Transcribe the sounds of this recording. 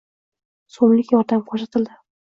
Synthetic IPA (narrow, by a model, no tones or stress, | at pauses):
somlɪkʲjɒɾd̪amqʰoʃat̪ʰɪld̪ɪ